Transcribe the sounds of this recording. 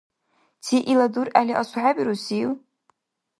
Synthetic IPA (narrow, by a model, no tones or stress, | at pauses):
tʰiʔiladuraliʔasʷħabʼiɾusil